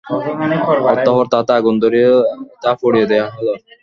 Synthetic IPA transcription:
ɔt̪ːɔɦɔɾt̪at̪aɡund̪oɾiet̪afoɽijed̪ejaɦɔloɾ

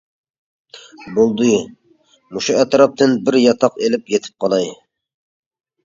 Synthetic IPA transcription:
bolˠd̪ɨju | muʃuɛt̪ɾɑp̚t̪ʰɨnbɪɾjɑt̪ʰɑqelɪpjet̪ʰɪ̥p̚qʰɑlˠɑj

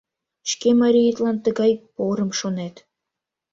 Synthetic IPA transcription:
ʃkʲemɑɾʲijit̪lˠɑnt̪ə̆ɡɑjpoɾɤ̆mʃonet̪

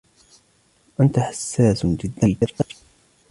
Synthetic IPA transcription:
ʔant̪aħasːaːsd͡ʒɪd̪ːalkaɾʔaɾ

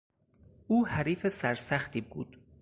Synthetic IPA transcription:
ʔuːhæɾiːfesæɾsæxt̪iːbuːd̪̥

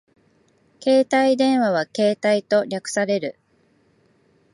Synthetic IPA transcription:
ke̞ːt̪aid̪ẽ̞ɰ̃βaβake̞ːt̪ait̪o̞ɾʲakɯ̟̥saɾe̞ɾɯ̟

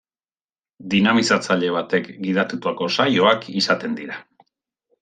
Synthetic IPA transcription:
d̪inamisat͡saʎe̞β̞at̪e̞kɡiðat̪ut̪uako̞sajo̞akisat̪e̞nd̪iɾa

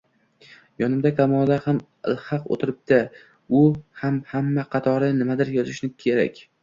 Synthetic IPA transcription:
jɒnɪmd̪akʰamɒd̪aham | ɪ̰lˠhɑqo̰t̪ʰɪɾɪp̚d̪a | ʊhamhamːaqʰɑt̪ʰɒɾɪnɪmad̪ɪɾjɒzɪʃnɪkʲʰe̞ɾa̰kʲ

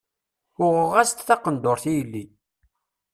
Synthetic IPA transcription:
ʊʁʁæst̪θɑqənd̪oɾˤθijəlːi

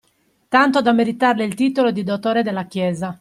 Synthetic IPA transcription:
t̪ant̪od̪amːeɾit̪arleilt̪iːt̪olod̪id̪ot̪oːɾed̪elːakjɛːza

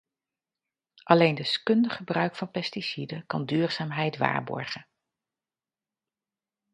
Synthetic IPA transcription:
ʔɑlejndəskɵndəχəbrœɥkfɑnpɛstisidəkɑndyːɹz̥aːmɦɛjtʋa̰ːɹbɔ̰ɹχə

